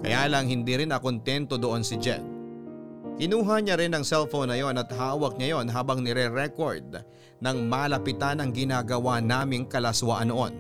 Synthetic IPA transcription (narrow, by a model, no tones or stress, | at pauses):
kɐ̰jaːlɐŋɦɪnd̪iːɾɪnɐkont̪ɛnt̪o̞d̪oʔo̞nsɪd͡ʒɛ̰t̪̚ | kɪnuːɦaɲɐɾɪnɐŋsɛlfownːɐjo̞nɐt̪̚ɦaːwɐk̚ɲɐjo̞nɦaːbɐŋnɛɾɛɾɛko̞ɹd̪̚ | nɐŋmaːlɐpɪt̪anɐŋɡɪnaːɡɐwanaːmɪŋkɐlaswaːʔɐnoʔo̞̰n